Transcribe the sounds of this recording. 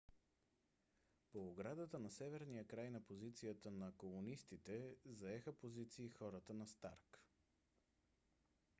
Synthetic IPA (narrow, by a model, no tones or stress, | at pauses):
poːɡɾad̪ət̪ənɐsɛvɛɾnijəkɾajnɐpozit̪sijət̪ənɐkomunist̪it̪ɛzɐɛxəpozit̪siːxɔɾət̪ənɐst̪aɾk